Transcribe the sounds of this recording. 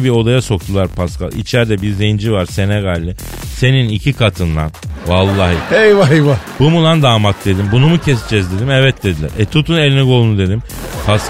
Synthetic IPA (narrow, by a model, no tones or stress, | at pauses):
bio̞d̪ajaso̞k̚t̪ʰulˠaɾpʰaska̰lˠḭt͡ʃʰæɾd̪ɛbiɾze̞jind͡ʒivaɾse̞nɛɡaːlʲːɪ | se̞ninicʰikʰat̪ʰɯnd̪a̰nvalˠːaːɦɯ̰ejvaivabumulˠand̪aːmat̪̚d̪e̞d̪imbunumucʰɛsd͡ʒɛzd̪e̞d̪imɛvɛt̪̚d̪e̞d̪ilʲæ̰ɾɛt̪ʰut̪ʰune̞lʲinɛɡo̞lˠunud̪e̞d̪im | pʰas